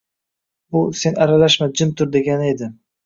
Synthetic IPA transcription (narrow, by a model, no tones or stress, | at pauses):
bʊse̞naɾalaʃmad͡ʒɪmt̪ʰʊɾd̪e̞ɡʲanɪe̞d̪ɪm